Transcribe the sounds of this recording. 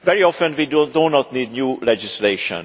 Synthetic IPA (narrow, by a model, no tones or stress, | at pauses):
vɛɹiɔfɛ̃nʋiddõnɔt̪niːd̪̚njuːlɛd͡ʒisleːʃɔ̰̃n